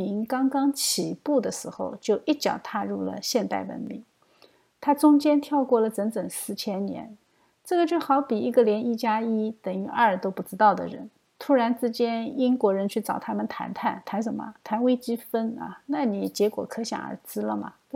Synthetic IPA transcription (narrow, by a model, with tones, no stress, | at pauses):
i˧˥ŋkɑ˥ŋkɑ˥ŋt͡ɕʰi˨˩pu˥˩d̪ə˩ʂɻ̩˧˥xo̰˧ʊt͡ɕjo˥˧ʊʔi˥˩t͡ɕjɑ̰˨˩ʊt̪ʰa˥˧ɻu˥˩lə̰˩ɕjɛ˥˧nt̪a˥˩ɪwə̰˧˥nmḭ˧˥ŋ | t̪ʰa˥t͡sʊ˥ŋt͡ɕjɛ˥nt̪ʰjɑ˥˧ʊkwɔ˥˩lə˩t͡sə˧˥ŋt͡sə˨˩ŋsɹ̩˥˩t͡ɕʰjɛ˥nnjɛ̰˧˥n | ʈ͡ʂɤ˥˩ɡə˩t͡ɕjo˥˩ʊxɑ˧˥ʊpi˨˩i˧˥ɡə˧ljɛ˧˥ni˥˩t͡ɕja˥i˥t̪ə˨˩ŋy˧˥ʔə˥˩t̪o˥ʊpu˥˩ʈ͡ʂɻ̩˥t̪ɑ˥˩ʊd̪ə̰˩ɻə̰˧˥n | t̪ʰu˥ɻa˧˥nt͡sɹ̩˥t͡ɕjɛ˥ni˥ŋkwɔ˧˥ɻə˧˥nt͡ɕʰy˥˩t͡sɑ˨˩ʊt̪ʰa˥mə˨nt̪ʰa̰˧˥nt̪ʰa˥˩nt̪ʰa˧˥nʂ̬ə˧˥nmə̰˧t̪ʰa˧˥nwe˥ɪt͡ɕi˥fə˥nɐ̰˧na˥˩ni˨˩t͡ɕjɛ˧˥kwɔ̰˨˩kʰɤ˧˥ɕjɑ̰˨˩ŋə̰˞˧˥t͡sɹ̩˥lə˨mɐ̰˩